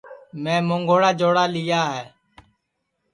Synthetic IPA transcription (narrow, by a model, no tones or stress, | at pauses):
mɛ̃ːmoːŋɡoːɽaːd͡ʒoːɽaːlɪːjaːɦɛː